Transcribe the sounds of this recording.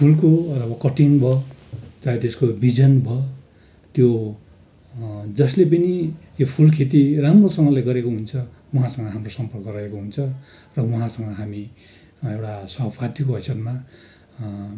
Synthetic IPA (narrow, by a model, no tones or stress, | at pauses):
pʰulkotʌbʌkʌʈʰinbʱʌt͡saet̪eskobid͡zʌnbʱʌ | t̪jo | d͡zʌslep̬ʌnijopʰulkʰet̪̬iramrosʌŋɡʌleɡʌɾekoɦunt͡sʰʌ | uɦãsʌ̃ŋɡʌɦamrosʌmpʌrkʌrʌɦekoɦunt͡sʰʌ | rʌwuɦãsʌŋɡʌɦami | ewʈasʌɦpʰat̪ikoɦʌsʌt̪ma